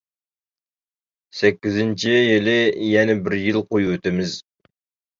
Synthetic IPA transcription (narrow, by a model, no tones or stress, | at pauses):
sɛkʲːɪzɪnt͡ʃʰɪjɪlɪjɛnɛbɪɾjɪlˠqʰojwɵt̪ɪmɪz